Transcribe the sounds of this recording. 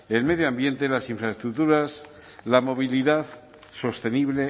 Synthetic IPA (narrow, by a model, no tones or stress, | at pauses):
e̞lme̞ðjoambje̞nt̪elasiɱfɾaest̪ɾut̪uɾas | lamo̞β̞iliðaθ | so̞st̪e̞niβle̞